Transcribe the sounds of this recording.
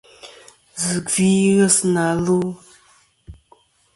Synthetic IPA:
zə˨ɡvi˦ɣə˦sna˨lu˦

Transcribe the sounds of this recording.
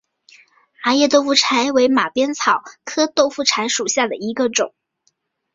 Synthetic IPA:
a˧˥jɛ˥˧t̪o˥˧ʊfu˥˩ʈ͡ʂʰa˧˥ɪwe˧˥ɪma˨˩pjɛ˥nt͡sʰɑ˨˩ʊkʰɤ˥t̪o˥˧ʊfu˥˩ʈ͡ʂʰa˧˥ɪʂu˨˩ɕja˥˩d̪ə˩i˧˥ɡə˧ʈ͡ʂʊ˨˩˦ŋ

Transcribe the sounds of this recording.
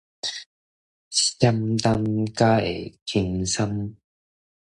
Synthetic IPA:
sɐ˥mt̪a˧˥nkaː˦˥ḛ˨˩kʰi˧ŋsɐ˥m

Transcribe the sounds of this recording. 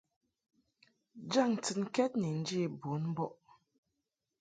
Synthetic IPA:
d͡ʒa˦˨ŋ˨t͡sɨ˨nkɛ˦t̚ni˨n̩˦d͡ʒi˦˨bu˨˦nm˦bɔ˦ʔ

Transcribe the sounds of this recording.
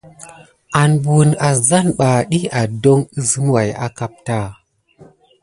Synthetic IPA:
a˨nbu˨na˨za˦nɓa˨ɗi˦a˨do˦ŋə˦zə˦mwa˨ja̰˦ka˦p̚ta˦˨

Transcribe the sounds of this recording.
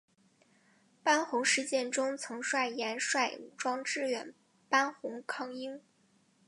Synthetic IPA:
pa˥nxʊ˧˥ŋʂɻ̩˧t͡ɕjɛ˥˧nʈ͡ʂʊ˥ŋt͡sʰɤ˧˥ŋʂwa˥˩ɪjɛ˧˥nʂwa˥˩ɪu˨˩ʈ͡ʂwɑ˥ŋʈ͡ʂɻ̩˥˩ɥɛ̰˨˩n | pa˥nxʊ˧˥ŋkʰɑ˥˩ŋi˥ŋ

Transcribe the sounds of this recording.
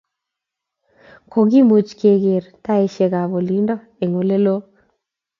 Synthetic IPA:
kʰo˨ŋɡi˦mo˨t͡ʃke˨ɡɪ˨ɾta˦e˨˦ʃe˨ɡa˨βo˨li˨˦ndɔ˦ | e˨ŋo˨le˦lo˦

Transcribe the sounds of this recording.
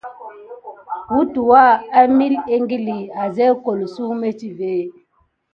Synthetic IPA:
wu˦tu˨wa˦a˦mi˦le˦ŋɡi˦li˨a˨zɛ˦ko˨lsu˦me˦t͡ʃi˦ve˨˦˨

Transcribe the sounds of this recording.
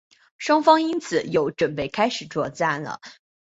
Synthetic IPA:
ʂwɑ˥ŋfɑ˥ŋi˥nt͡sʰɹ̩˨˩˦jo˧˥ʊʈ͡ʂwə˨˩npe˥˩ɪkʰa˥ɪʂɻ̩˨˩t͡swɔ˥˧t͡sa˥˩nlə̰˩

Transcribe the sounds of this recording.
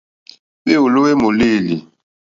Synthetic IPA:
ɓe˦u˨lo˦we˦mo˨li˦˨li˨

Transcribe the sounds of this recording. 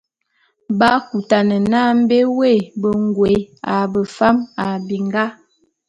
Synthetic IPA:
ba˦ku˨ta˨nə˨na˦m̩˦be˦we˦˨bə˨ŋɡwe˨˦a˨bə˨fa˦ma˨bi˨ŋɡa˦

